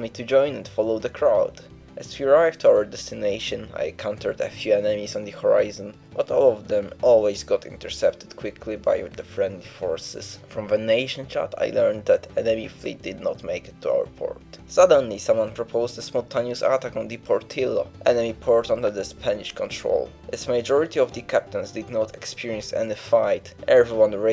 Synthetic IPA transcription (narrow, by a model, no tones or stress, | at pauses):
mit̪ud͡ʒɔ̃j̃nɛ̃nfɔlowd̪əkʰɹawd̥ | ʔɛswiɹajvt̪uawəɹdɛst̪inejʃɔ̃na̰jkʰãw̃nt̪ʰəɹd̪əfjuɛnɛmisɔ̃nd̪əhɔɹa̰jzɔ̃n | b̥at̪ɔlˠɔvd̪ɛ̃mʔɔlˠwɛzɡɔt̪ʰḭ̃nt̪ɛɹsɛpt̪ɪ̥d̪kʰwɪkʰliba̰jd̪əfɹɛ̃nd̪lifɔɹsɪ̰sfɹɔ̃mvənejʃɔ̃nt͡ʃa̰t̪ʰa̰jlɛɹnd̪̚d̪æt̪ɛnɛmiflḭt̚d̪ɨd̪nɔt̪mejkɪt̪ʰːua̰wə̰ɹpʰɔ̰ɹt̪sad̪ə̃nlisãmwãnpɹɔpʰoʊzd̪əsmɔt̪ʰãnjusa̰t̪akɔ̃nd̪ɨpʰɔɹt̪ʰilo̰ʔɛnɛmipʰɔɹtɔ̃nd̪əd̪əspʰæniʃkɔ̃nt̪ʰɹo̰ʊl | ʔɪtsmajd͡ʒɔɹɪt̪iɔvd̪ɨkʰæp̚t̪ə̃nsd̪ɨd̪nɔt̪ʰɛkspʰiɹiɛ̃nsɛ̰nifajt̪ʔɛvɹiwãnɹe